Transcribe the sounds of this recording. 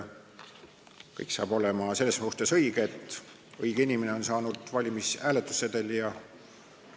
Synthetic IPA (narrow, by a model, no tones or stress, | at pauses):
kɤjksɑ̰ːb̥o̞le̞mɑse̞lːeshuhst̪esɤiɡ̥eet̪ːˑ | ɤiɡ̥einimene̞o̞nsɑːnud̪̥vɑlʲimisæːlet̪ːˑu̥sːed̪̥eljɑ